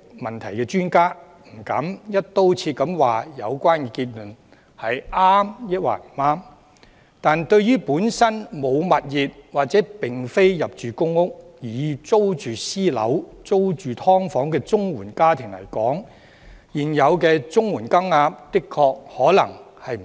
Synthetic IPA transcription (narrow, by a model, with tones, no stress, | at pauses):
mɐ˨˩nt̪ʰɐ˨˩jkɛː˧t͡ʃyː˥nkaː˥ | m̩˨˩kɐ̰˨˥mjɐ˥t̚t̪o˥wt͡sʰiː˧t̚kɐ˨˥mwaː˨jɐ˨˧wkʷwaː˥nkɛː˧kiː˧t̚lɵ˨˩n | hɐ˨jʔaː˥mjɐ˥t̚wa̰ː˨˩m̩˨˩aː˥m | t̪aː˨nt̪ɵ˧ɥɥyː˥puː˨˥nsɐ˥nmo˨˧wmɐ˨t̚jiː˨t̚waː˨t̚t͡sɛː˨˥pɪ˨ŋfe˥jjɐ˨p̚t͡ʃyː˨kʊ˥ŋːʊ˥k̚jiː˨˩t͡so˥wt͡ʃyː˨siː˥lɐ̰˨˥wt͡so˥wt͡ʃyː˨t̪ʰɔː˥ŋfɔː˨˥ŋkɛː˧t͡sʊ˥ŋwuː˨˩nkaː˥t̪ʰɪ˨˩ŋlɐ̰˨˩jkɔː˨˥ŋ | jiː˨˩njɐ˨˧wkɛː˧t͡sʊ˥ŋwuː˨˩nkɐ˥ŋaː˧p̚t̪ɪ˥kʰːɔː˧k̚hɔː˨˥lɐ̰˨˩ŋhɐ˨j